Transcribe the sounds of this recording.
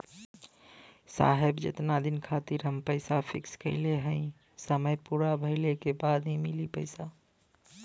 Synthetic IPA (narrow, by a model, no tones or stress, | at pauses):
sa̰ːɦebd͡ʒḛt̪nad̪ɪnkʰat̪iɾɦəmpəɪsapʰɪ̰kskə̰ɪleɦə̃ɪ̃ | səməjpuɾabʱəɪlekebad̪nimilipəɪsa